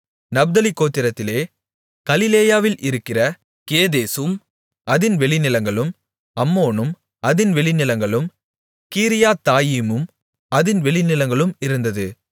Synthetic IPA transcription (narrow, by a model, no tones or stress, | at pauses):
nɐbd̪ɐlɪkːoːt̪ːɪɾɐt̪ːɪleː | ɡ̥ɐlɪleːjaːʋɪlʔɪɾɯkːɪrɐ | keːðeːsɯm | ʔɐðɪnʋɛɭɪnɪlɐŋɡɐɭɯm | ɐmːoːnɯm | ʔɐðɪnʋɛɭɪnɪlɐŋɡɐɭɯm | kiːɾɪjaːt̪aːjimɯm | ɐðɪnʋɛɭɪnɪlɐŋɡɐɭɯmɪɾɯnd̪ɐðɯ